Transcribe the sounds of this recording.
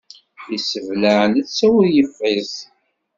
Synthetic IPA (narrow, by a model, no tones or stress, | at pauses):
isəvləʕnət͡sːæwəɾjəfːiθ